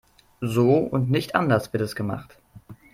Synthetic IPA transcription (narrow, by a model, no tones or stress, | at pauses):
zoːʊ̰ntnɪçtʔa̰ndɐsv̥ɪɐtɛsɡ̥əma̰χt